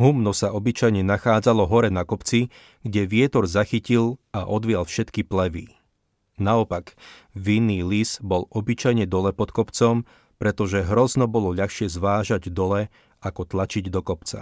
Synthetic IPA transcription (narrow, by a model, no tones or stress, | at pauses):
ɦumnɔsaʔɔbit͡ʃajɲɛnaxaːd͡zalɔɦɔɾɛnakɔpt͡si | ɡɟɛʋɪɛt̪ɔɾzaxicilaʔɔd̪ʋɪalfʃɛt̪kiplɛʋḭ | naɔpaɡ | ʋinːiːliz̥bɔlɔbit͡ʃajɲɛd̪ɔlɛpɔt̪kɔpt͡sɔm | pɾɛt̪ɔʒɛɦɾɔznɔbɔlɔʎaxʃɪɛzʋaːʒaɟd̪ɔlɛ | akɔt̪lat͡ʃiɟd̪ɔkɔpt͡sa̰